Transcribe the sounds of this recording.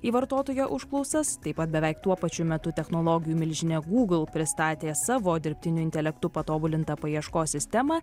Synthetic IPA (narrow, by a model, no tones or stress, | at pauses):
iːʋɐɾt̪oːt̪oːjoʔʊʃklˠɔʊsɐst̪ɐɪpɐt̪̚bʲɛʋʲɛɪkt̪uɔpɐt͡ʃʲʊmʲɛt̪ʊt̪ʲɛxnoːlˠoːɡʲɪjuːmʲɪlʲʒʲɪnʲɛɡuːɡl̩ˠpʲɾʲɪst̪ɑːt̪ʲeːsɑːʋoːd̪ʲɪɾʲpʲt̪ʲɪnʲʊɪnʲt̪ʲɛlʲɛkt̪ʊpɐt̪oːbʊlʲɪnt̪ɐpɐjiɛʃkoːsʲɪsʲt̪ʲɛmɑ